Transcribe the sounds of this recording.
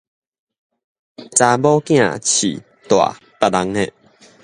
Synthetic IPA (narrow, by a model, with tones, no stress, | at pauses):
t͡sa˧bɔ˦kj̃ã̰˧˨t͡ɕʰḭ˨˩ | t̪wa̰˨˩ | pa˧˨la˧ŋnɛ˥˧˨ʔ